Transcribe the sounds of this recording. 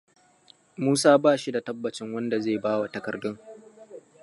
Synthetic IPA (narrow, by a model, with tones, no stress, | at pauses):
muː˦saː˦baː˦˨ʃi˦da˨tɐ˦bːɐ˨t͡ʃɪ˦ŋwɐ˦nda˨zeː˦˨baː˦wa˨tɐ˨kɐ˨rdʊ˦ŋ